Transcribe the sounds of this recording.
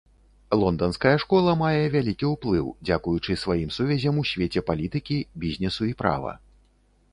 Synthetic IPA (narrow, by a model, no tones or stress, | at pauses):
lˠɔnd̪ɐnskɐjɐʂkɔlˠɐmajɛvʲalʲikʲiuwplˠɨwd͡zʲakujut͡ʂɨsvajimsuvʲɛzʲɐmusʲvʲet͡sʲɛpalʲit̪ɨkʲibʲizʲnʲɛsuipɾa̰vɐ̰